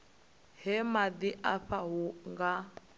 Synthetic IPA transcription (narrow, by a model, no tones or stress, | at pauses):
hɛmad̪iʔaɸaɦuŋɡa